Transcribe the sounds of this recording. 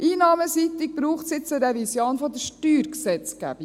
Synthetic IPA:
ʔiːnɑːməsit̪ik̚b̥ɾuːχtsɪt͡səɾɛvisjoːnfɔd̪əʃtyːɾksɛt͡sɡ̥æ̰bi

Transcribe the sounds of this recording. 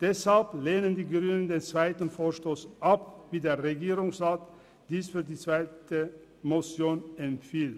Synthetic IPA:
d̥ɛshalpleːnəndiːɡʁyːnəndeːnt͡sv̥aɪtn̩foːɐʃtoːsʔapviːdeːɐʁeɡiːʁʊŋsʁaːt | d̥iːsfyːɐdiːt͡sv̥aɪtə | mot͡sjoːnɛmfiːlt

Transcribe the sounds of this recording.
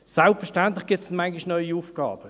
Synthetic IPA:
salpfɛɐʃtant̪lɪχɡ̥ɪtsn̩maŋɡɪʃnɔʏiufɡ̥ɑ̰ːb̥ə

